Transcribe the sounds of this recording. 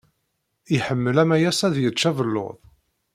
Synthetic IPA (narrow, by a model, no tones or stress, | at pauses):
iħəmːəlæmæjæsæðjət͡ʃːævəlːo̰ðˤ